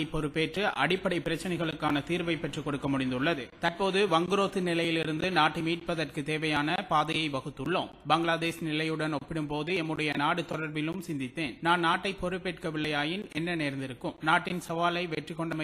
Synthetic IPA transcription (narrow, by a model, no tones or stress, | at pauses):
ɪpːɔɾɯpːeːʈrɯʔɐɽɪpːɐɽɐɪpːɪɾɐt͡ʃːɐnɐɪɣɐɭɯkːaːnɐt̪iːɾbɐɪpːɛʈrɯkɔɽɯkːɐmʊɽɪnd̪ɯɭːɐðɯt̪ɐrpoːðɯʋɐŋɡɯɾoːt̪ːɯnɪlɐjɪlɪɾɯnd̪ɯnaːʈːɯmiːʈ̚pɐðɐrkɯt̪eːʋɐjaːnɐpaːðɐjɐɪʋɐɣɯt̪ːɯɭːo̰ːmbɐŋɡɭaːd̪eːsnɪlɐjɯɽɐnɔpːɪɽɯmpoːðɯɛmːɯɽɐjɐnaːɽɯt̪ɔɽɐɾbɪlɯmsɪnd̪ɪt̪ːeːnnaːnnaːʈːɐɪpːɔɾɯpːeːʈkɐʋɪɭːɐjaːjɪnɛnːɐneːɾnd̪ɪɾɯkːɯmnaːʈːɪnsɐʋaːlɐɪʋɛʈrɪkːɔɳɖɐmɐ